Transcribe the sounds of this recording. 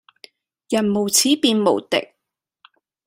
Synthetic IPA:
jɐ˨˩nmo˨˩wt͡sʰiː˨˥piː˨˧nmo̰˨˩wt̪ɪ̰˨k̚

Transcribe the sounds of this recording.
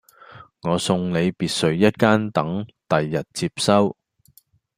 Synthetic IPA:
ŋɔː˨˧sʊ˧ŋle˨˧jpiː˨˧t̚sɵ˨˧ɥjɐ˥t̚kaː˥nt̪ɐ˨˥ŋt̪ɐ˨jːɐ˨t̚t͡siː˧p̚sɐ˥w

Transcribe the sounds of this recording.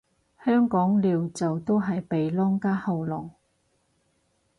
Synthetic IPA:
hœː˥ŋkɔː˨˥ŋliː˨˧wt͡sɐ˨wt̪o˥wɦɐ˨jpe˨jlɔː˥ŋkaː˥hɐ˨˧wlɔ˨˩ŋ

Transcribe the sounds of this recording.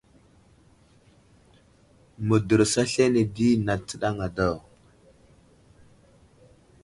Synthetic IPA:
mə˨də˨ɾsa˦ɬe˦ne˨di˦na˨t͡sə˨ɗa˦ŋa˨do˦˨w

